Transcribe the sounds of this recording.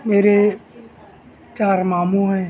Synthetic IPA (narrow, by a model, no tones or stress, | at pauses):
meːɾe | t͡ʃaːɾmaːmũɦɛ̃ː